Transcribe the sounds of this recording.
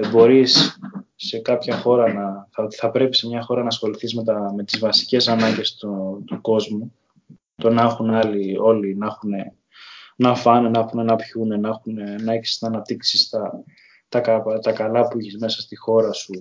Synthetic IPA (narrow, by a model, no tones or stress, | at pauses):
bo̞ɾisː | e̞kɐpçɐxo̞ɾɐnɐθɐot̪i̥θɐpɾe̞pi̥se̞mɲɐxo̞ɾɐnɐːsxo̞liθizme̞t̪ɐme̞t̪izvɐsi̥ce̞sɐnɐɲɟe̞st̪ot̪uko̞zmu | t̪onɐxunɐlio̞linɐxune | nɐfɐnenɐexunenɐpçunenɐxunenɐeçsi̥st̪nɐnɐp̚t̪iksist̪ɐ | t̪ɐkɐpt̪ɐkɐlɐpuiçezme̞sɐst̪ixo̞ɾɐsu